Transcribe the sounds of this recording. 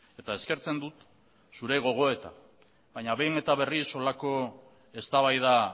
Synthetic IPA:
e̞t̪ae̞ske̞ɾt͡se̞nd̪ut̪ | suɾe̞ɣ̞o̞ɣ̞o̞e̞t̪a | βajɲaβe̞jne̞t̪aβ̞e̞riso̞lako̞ | e̞st̪aβajða

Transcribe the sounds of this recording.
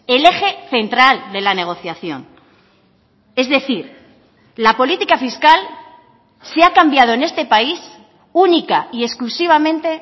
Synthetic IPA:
e̞le̞xe̞θe̞nt̪ɾald̪e̞lane̞ɣ̞o̞θjaθjo̞̰n | e̞zðe̞θiɾ | lapo̞lit̪ikafiskal | seakambjað̞o̞ene̞st̪e̞pais | unikaie̞sklusiβ̞amẽ̞nt̪e̞

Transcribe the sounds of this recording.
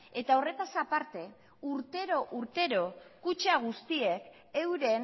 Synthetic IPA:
e̞t̪ao̞re̞t̪asapaɾt̪e̞ | uɾt̪e̞ɾo̞ʔuɾt̪e̞ɾo̞kut͡ʃaɣ̞ust̪ie̞k | e̞wɾe̞n

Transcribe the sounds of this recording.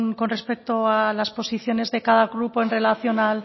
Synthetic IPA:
nko̞nre̞spe̞k̚t̪o̞alaspo̞siθjo̞ne̞zðe̞kaðaɣɾupo̞e̞nre̞laθjo̞nal

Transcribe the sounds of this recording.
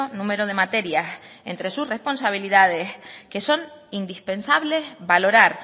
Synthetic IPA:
onũme̞ɾo̞ð̞e̞mat̪e̞ɾjasḛnt̪ɾe̞susrespo̞nsaβ̞iliðað̞eske̞so̞nind̪ispe̞nsaβle̞zβalo̞ɾaɾ

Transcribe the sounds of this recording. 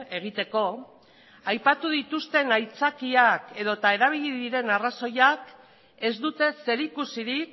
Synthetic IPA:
e̞ɣ̞it̪e̞ko̞ | ajpat̪uðit̪ust̪e̞najt͡sakiake̞ð̞o̞t̪ae̞ɾaβ̞iʎiðiɾe̞naraso̞jak | e̞zd̪ut̪e̞se̞ɾikusiɾik̚

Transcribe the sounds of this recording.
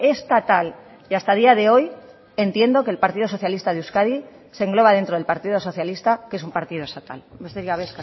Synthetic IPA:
e̞st̪at̪al | iast̪að̞iaðe̞o̞j | e̞nt̪je̞nd̪o̞ke̞lpaɾt̪iðoo̞θjalist̪aðeuskaði | se̞ŋɡlo̞βaðent̪ɾo̞ð̞elpaɾt̪iðo̞so̞θjalist̪akesumpaɾt̪iðost̪at̪a̰lbeseɾiaβeska

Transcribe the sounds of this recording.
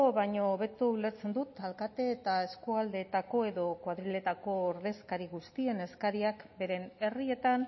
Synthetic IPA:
oβaɲoːβe̞t̪uule̞ɾt͡se̞nd̪ut̪alkat̪e̞ːt̪ae̞skuald̪e̞t̪ako̞e̞ðo̞kwaðɾile̞t̪ako̞ːɾðe̞skaɾiɣust̪ie̞ne̞skaɾiakbe̞ɾe̞ne̞rie̞t̪an

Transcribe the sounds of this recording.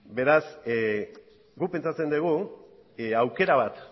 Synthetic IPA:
be̞ɾas | ɡupe̞nt͡sat͡se̞nd̪eɣ̞u | awke̞ɾaβ̞at̪

